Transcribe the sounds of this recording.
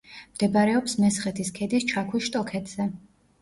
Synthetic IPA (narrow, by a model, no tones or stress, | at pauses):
md̪̥ɛbaɾɛɔpsmɛsχɛt̪ʰiskʰɛd̪ist͡ʃʰakʰwiʃt̪ʼɔkʰɛt̪ʰz̥ɛ